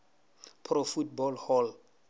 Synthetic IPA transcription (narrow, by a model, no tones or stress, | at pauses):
pʰrofutbɔlhɔl